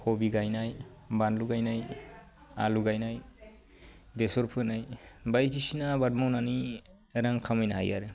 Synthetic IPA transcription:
kʰobiɡajnajbanluɡajnaj | a̰luɡajnaj | desɔɾpʰɯnajbajtʰisinabat̚mawnani | ɾaŋkʰamajnaɦa̰ja̰ɾɯ

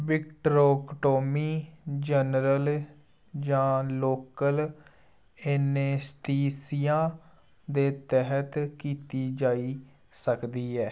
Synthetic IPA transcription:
bɪkʈɾoːkʈoːmiːd͡ʒənɾəl | d͡ʒãːloːkəl | eːneːst̪iːsijãː | d̪eːt̪ɛɦət̪kiːt̪iːd͡ʒaːiː | səkd̪iːɦɛː

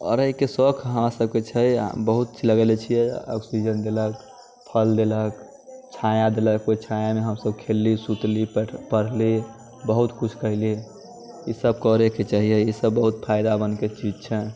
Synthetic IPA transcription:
ɔ̰ːɾəɦikesəkʰɦəmasəb̚ket͡ʃʰɛ̰bəɦut̪t͡ʃiləɡelet͡ʃʰijɛɔ̰ksid͡ʒənd̪elək | pʰəld̪elək | t͡ʃʰajad̪eləkːoit͡ʃʰajameɦəmsəb̚kʰelːisut̪lipəɽ̤li | bəɦut̪kut͡ʃʰkəɦli | isəbkɔɾeket͡ʃaɦijɛisəbːəɦut̪̚pʰaɪd̪abənket͡ʃid͡ʒt͡ʃʰɛ

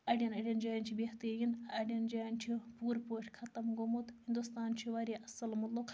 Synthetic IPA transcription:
ɐɖʲɐnɐɖʲɐnd͡ʒaːɐnt͡ʃʰibeht̪ɐɾjinɐɖɐnd͡ʒaːnt͡ʃʰipuːɾpoːʈʰʲkʰɐt̪ɐmɡomut̪hind̪ust̪aːnt͡ʃʰiʋaɾiʔɐsɐlmɐt̪luk

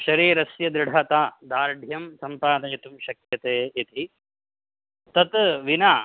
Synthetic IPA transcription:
ʃɐɾiːɾɐsjɐd̪ɾɪɽʱɐt̪aːd̪aːɾɖʱjɐmsɐmpaːd̪ɐjɐt̪umʃɐkjɐt̪eːit̪i | t̪ɐt̪ʋinaː

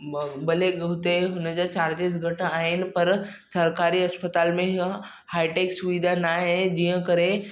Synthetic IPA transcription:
bɐleɡɐɦʊt̪eɦʊnəd͡ʑat͡ɕaːɾd͡ʒ̪es̬ɡʱɐʈaːɦɪnɪ̆pɐɾ | sɐɾkaːɾiɐspət̪aːlmẽɦ | haːɪʈeːksʊʋid̪ʱanaːɦẽd͡ʑiɦə̃kɐɾẽ

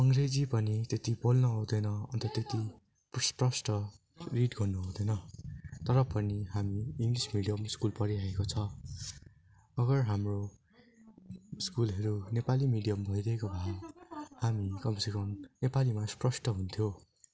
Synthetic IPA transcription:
ʌŋred͡zipʌnit̪et̪ibolnʌɦʌwd̪ʌjnʌʌ̰nt̪ʌt̪et̪i | psprʌsʈʌ | riʈɡʌrnuɦʌwd̪ʌnʌt̪ʌɾʌpʌniɦamiːŋɡlismiɽijʌmskulpʌɾiaekot͡sʰʌ | ʌɡʌrɦamro | skulɦʌɾunepalimiɽijʌmbʱʌijɾʌɦekobʱa | hamikʌmsikʌmnepalimasprʌsʈʌɦunt̪ʰjo

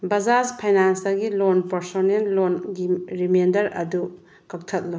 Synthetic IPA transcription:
bɐd͡ʒaspʰajnansdɐɡilonpɐɾsonenlonɡiɾimendɐɾɐ̰du | kɐk̚tʰɐt̚lo

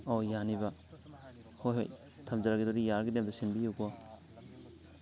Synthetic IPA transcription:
ɔjaniba | hojɦo̰j | tʰamzaɾaɡidoɾijaɾɡidemdasinbijukɔ

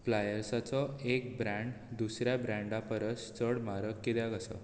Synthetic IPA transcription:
flajəɾsat͡sɔek̚bɾãɳɖ | d̪usɾjabɾãɳɖapəɾəst͡səɽmaɾəkːid̪jãɡəsə̰

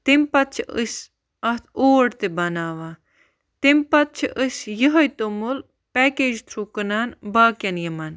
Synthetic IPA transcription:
t̪empɐt̪̚t͡ʃʰiəs | ɐt̪ʰoːɽt̪ebɐnaːʋa | t̪empɐt̪̚t͡ʃʰiʔəsjəɦɐjt̪omul | pɛkeːd͡ʒt̪ʰɾukɐnaːnbaːkʲɐnjɐmɐn

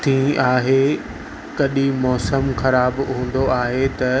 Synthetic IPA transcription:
t̪ʰĩːʔaːɦe | kɐɗimɔːsəmxɐɾaːbɦũːn̆d̪oaːɦet̪ɐ

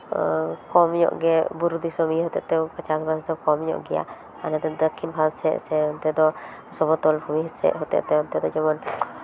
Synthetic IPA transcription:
kɔmɲɔ̰ʔɡɛbuɾud̪isɔmiɦɔt̪ɛ̰ʔt̪ɛpat͡ʃasbasd̪ɔkɔmɲɔ̰ʔɡɛja̰ | anat̪ɛd̪ɔkʰːinbʰʱalsɛʔsɛɔnt̪ɛd̪ɔ | sɔbɔt̪ɔlpʰɔmiɦsɛ̰ʔɦɔt̪ɛ̰ʔt̪ɛɔnt̪ɛd̪ɔd͡ʒɛmɔn

